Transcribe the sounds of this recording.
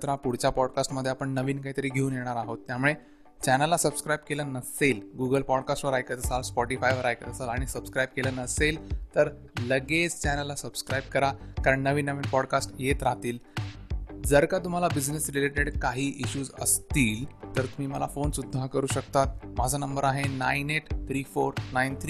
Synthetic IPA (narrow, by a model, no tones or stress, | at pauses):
t̪ɾapuɽ̤t͡ɕjapɔɽkasʈməd̪ʱːjeapəɳnəʋiːnkaɦiːt̪əɾiːɡʱeuːnjeɽ̃aɾaɦot̪ːjamuɭe | t͡ɕænəlːasəbskɾajb̚kelənəselɡuɡəlpɔɽkasʈʋəɾajkət̪əsalspɔʈifajʋəɾajkət̪əsalaɽ̃isəbskɾajb̚kelənəselt̪əɾ | ləɡet͡st͡ɕænəlːasəbskɾajb̚kəɾakaɾəɳnəʋiːnːəʋinpɔɽkasʈjet̪ɾaɦt̪iːl | d͡zəɾkat̪̬um̤alabid͡znesɾileʈeɽkaɦiːʔiɕuːd͡zə̰st̪iːlt̪əɾt̪um̤iːməla̰fonsud̪ʱːakəɾuːɕək̚t̪at̪̚mad͡zʱanəmbəɾaɦenaineʈt̪ʰɾiːfoɾnaint̪ʰɾiː